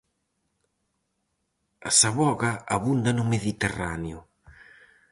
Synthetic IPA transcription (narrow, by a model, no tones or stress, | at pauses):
a̰saβɔɣaaβund̪anʊmeðit̪eraneʊ